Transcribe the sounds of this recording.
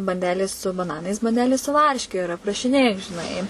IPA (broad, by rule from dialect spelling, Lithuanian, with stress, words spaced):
bɐnʲˈdʲæːlʲeːs sʊ bɐˈnɑːnɐɪs bɐnʲˈdʲæːlʲeːs sʊ ˈʋɐrʲʃʲkʲɛ ɪr ɐprɐʃʲɪˈnʲeːjʊ ʒʲɪˈnɐɪ